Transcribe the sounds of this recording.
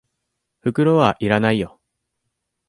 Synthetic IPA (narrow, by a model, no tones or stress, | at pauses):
ɸɯ̟kɯ̟ɾo̞βaʔiɾanaijo̞